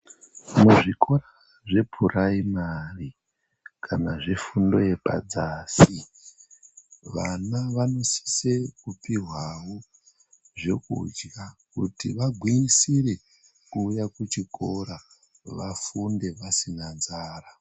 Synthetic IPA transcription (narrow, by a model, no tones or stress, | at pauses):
muʐikʰo̞ɾa | ʐe̞pʰuraimari | kʰanaʐe̞fundo̞je̞pa̰d͡zaːsi | ʋanaʋano̞si̥se̞kupiɦwawo | ʐe̞kṵd͡ʒɡakutiʋaɡʱwiisire̞ | kuːjakut͡ʃiko̞ɾa | ʋafunde̞ʋasinad͡zaːra